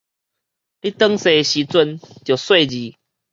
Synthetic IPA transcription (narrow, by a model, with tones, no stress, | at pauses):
li˦t̪ə˦ŋse˨˧ɕi˨˦t͡swə˧nt̪jo˨˩swe˥˨d͡ʑi˨˦